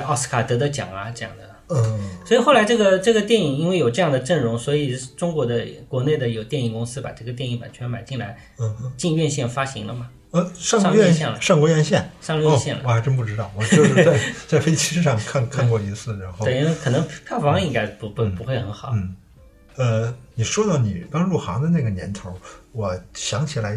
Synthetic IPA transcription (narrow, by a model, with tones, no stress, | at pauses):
ɑ˥˩s̩˥kʰa˨˩t̪ɤ˧˥d̪ə˧t͡ɕjɑ̰˨˩ŋɐ˦ʈ͡ʂɤ˥˧jɑ̰˥˩ŋd̪ə˨˩˥swɔ˧˥i˨˩xo˥˩la˧˥ɪʈ͡ʂɤ˥˩ɡə˩ʈ͡ʂɤ˥˩ɡə˩t̪̬jɛ˥˩ni˨˩ŋi˥nwe˥˩ɪjo˨˩ʊʈ͡ʂɤ˥˧jɑ˥˩ŋd̪ə˩ʈ͡ʂə˥˩ŋɻʊ˧˥ŋswɔ˧˥i˨˩ʈ͡ʂʊ˥ŋkwɔ˧˥d̪ə˧kwɔ˧˥ne˥˩ɪd̪ə˩jo˨˩ʊt̪jɛ˥˩ni˨˩ŋkʊ˥ŋsɹ̩˥pa̰˨˩ʈ͡ʂɤ˥˩ɡə˩t̪jɛ˥˧ni˥˩ŋpa̰˨˩nt͡ɕʰɥɛ˧˥nma˨˩ɪt͡ɕi˥˩ŋla˧˥ɪ˥˧˥ | t͡ɕi˥˧nɥɛ˥˧nɕjɛ˥˩nfa˥ɕi˧˥ŋlə˧mɐ˩ | ə˧ʂŋʂɑ˥˧ŋ˥ɛ˥˧nɕjɛ˥˩nlə̰˨˩ʂɑ˥˧ŋkwɔ˧˥ɥjɛ˥˧nɕjɛ˥˩nʂɑ˥˧ŋɥɛ˥˧ɕjɛ˥˩nlə˧wɔ˩a˧˥ɪʈ͡ʂə˥nəpu˥˩ʈ͡ʂɻ̩˥t̪ɑ˥˩ʊwɔ˨˩˥e˥˩t͡sa˥˩ɪfe˥ɪt͡ɕʰi˥ʂɻ̩˥˧ʂɑ˥˧ŋkʰa˥˧nkʰa˥˧nkwɔ˥˩i˧˥sɹ̩˥˩ɻa˧˥nxo˥˧e˥˩˥n˥˧˥kʰɤ˨˩nɤ˧˥ŋpʰa˥˩fɑ˧˥ŋi˥ŋka˥ɪpu˧˥ppu˧˥xwe˥˩ɪxə˧˥nxɑ˨˩˦n̩˥˩ | ə˧ni˨˩ʂwɔ˥t̪ɑ˥˩ʊni˨˩pɑ˥ŋɻu˥˩xɑ̰˧˥ŋd̪ə˧na˥˩ɡə˩njɛ̰˧˥nt̪ʰo˧˥wɔ˨˩ɕjɑ˧˥ŋt͡ɕʰi˨˩la˧˥ɪ